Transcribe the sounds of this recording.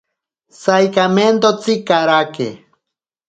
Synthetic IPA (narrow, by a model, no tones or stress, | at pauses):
sajkament̪ot͡sikaɾakḛ